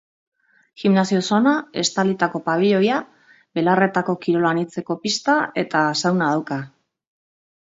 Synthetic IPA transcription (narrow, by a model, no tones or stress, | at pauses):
ximnasio̞sonae̞st̪alit̪ako̞paβiʎo̞ja | βe̞lare̞t̪ako̞kiɾo̞lanit͡se̞ko̞pist̪ae̞t̪asawnað̞awka